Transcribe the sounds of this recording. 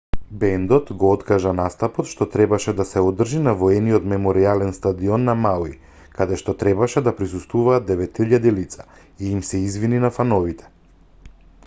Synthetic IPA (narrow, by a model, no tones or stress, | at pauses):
bɛnd̪ɔt̪ɡɔɔt̪kaʒanast̪apɔt̪ʃt̪ɔt̪ɾɛbaʃɛd̪asɛɔd̪r̩ʒinavɔɛniɔt̪mɛmɔɾialɛnst̪ad̪iɔnːamawi | kad̪ɛʃt̪ɔt̪ɾɛbaʃɛd̪apɾis̬ust̪vuvaːd̪ɛvɛt̪iʎːad̪ilit̪sa | iːmsɛizvininafanɔvit̪ʰɛ̥